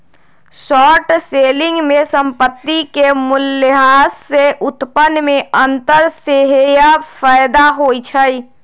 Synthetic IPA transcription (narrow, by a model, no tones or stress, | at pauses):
sɔːʈseːlɪ̃ŋɡmẽsə̃mpət̪ːikemʊlːəɦaːsːeʔʊt̪pənmẽʔə̃nt̪əɾseɦjafaɪd̪aɦoːit͡ʃʰəi